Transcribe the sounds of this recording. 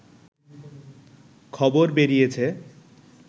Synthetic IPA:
kʰɔboɾbeɾijet͡ɕʰe

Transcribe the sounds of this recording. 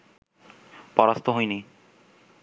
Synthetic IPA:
pɔɾast̪ʰoɦojni

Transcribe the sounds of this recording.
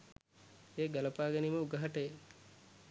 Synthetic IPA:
eːɡɐləpaːɡeniməuɡəɦɐʈəje

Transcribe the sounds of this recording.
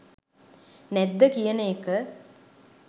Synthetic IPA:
nɛd̪ːəkijəneːkə

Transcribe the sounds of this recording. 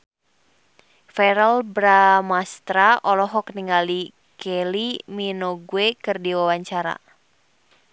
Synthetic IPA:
fɛɾəlbɾamast̪ɾaʔɔlɔɦɔk̚niŋali | kʰɛliminoɡuekɨrdiwawaɲt͡ʃaɾa̰

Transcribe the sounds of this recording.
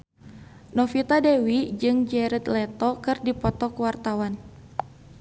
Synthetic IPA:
nɔfit̪adewid͡ʒɨŋd͡ʒɛɾət̪lɛt̪ɔkɨrdipɔt̪ɔkəwart̪awan

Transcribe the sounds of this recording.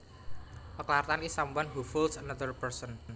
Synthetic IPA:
ʔəklart̪anisambanɦufulsənad̪ərpərsən

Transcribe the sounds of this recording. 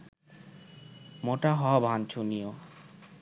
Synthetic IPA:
moʈaɦɔabʱant͡ɕʰunio

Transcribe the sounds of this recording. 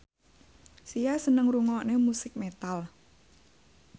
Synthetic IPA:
sijasənəŋɾuŋɔʔnemusɪk̚met̪al

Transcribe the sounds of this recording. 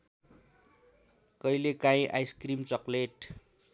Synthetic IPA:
kʌjlekãĩʔa̰jskrimt͡sʌkleʈ

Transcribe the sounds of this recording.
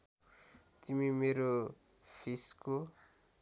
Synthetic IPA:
t̪imimeɾo | pʰisko

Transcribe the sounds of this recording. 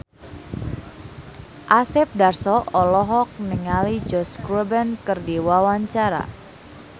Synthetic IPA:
ʔasɪp̚darsɔʔɔlɔɦɔk̚nəŋalid͡ʒɔskɾubɛnkərdiwawaɲt͡ʃaɾa̰

